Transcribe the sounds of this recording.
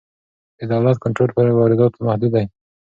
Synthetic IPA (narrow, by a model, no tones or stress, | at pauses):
d̪əd̪awlat̪̚kaɳʈɾolpəɾwɑɾɪd̪ɑt̪omahd̪ud̪aj